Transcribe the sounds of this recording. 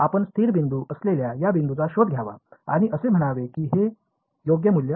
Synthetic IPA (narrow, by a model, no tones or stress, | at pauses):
apəɳst̪ʰiːɾbind̪uːʔəsleljajabind̪ut͡saɕod̪̚ɡʱjaʋa̰a̰ɽ̃iʔəsem̤əɽ̃aʋekiːɦe | joɡjəmuljə